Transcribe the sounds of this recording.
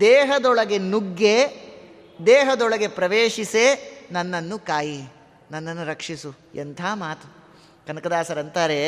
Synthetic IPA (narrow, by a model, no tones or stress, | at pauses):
d̪ɛːɦɐd̪ɔɭɐɡe̞nuɡːe | d̪eːɦɐd̪ɔɭɐɡe̞pɾɐʋeːʂiseːnɐnːɐnːukaːji | nɐnːɐnːuɾɐkʂisu | ent̪ʰaːmaːt̪u | kɐnɐkɐd̪aːsɐɾɐnt̪aːɾe